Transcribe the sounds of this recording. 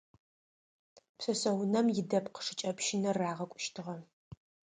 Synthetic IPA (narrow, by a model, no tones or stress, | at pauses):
psɐsɐwʊnɐmjɪdɐpqə̥ʂɨt͡ʃʼɐpʃɪnɐraːʁɐkʷʼʊ̥ʃtʰɨʁɐ